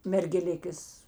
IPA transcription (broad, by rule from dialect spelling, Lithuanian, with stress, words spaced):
mʲɛrʲɡʲɛˈlʲɪkʲeːs